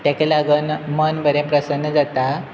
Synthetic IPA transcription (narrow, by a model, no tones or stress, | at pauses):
t̪jãkelaɡənmənʋəɾẽpɾəsənːəd͡zat̪a